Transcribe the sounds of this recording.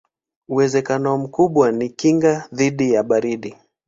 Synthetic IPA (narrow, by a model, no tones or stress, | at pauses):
uwɛzɛkanɔm̩kuɓwanikiŋɡaðiɗijaɓaɾiɗi